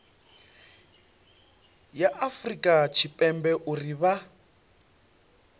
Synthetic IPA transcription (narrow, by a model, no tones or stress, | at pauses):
jaʔafrikʼat͡ʃʰipʼɛmbɛʔuriβa